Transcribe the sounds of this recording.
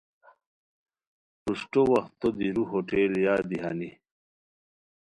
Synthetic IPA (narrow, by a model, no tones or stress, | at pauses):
puʂʈowɐxt̪ːod̪iɾuɦoʈeːljaːd̪iɦa̰ni